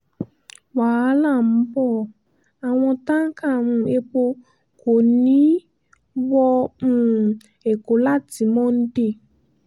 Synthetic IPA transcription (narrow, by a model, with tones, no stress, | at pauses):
waː˨a˦la˦˨m̩˦bɔ˦˨ | a˨w̃ɔ̃˧tã˦ŋ̩˦ka˦˨mũ˧e˦k͡po˧ | ko˨nĩ˦ | wɔ˧mũ˦ | e˨ko˨la˦˨ti˨˦mɔ̃˦n̩˦de˦˨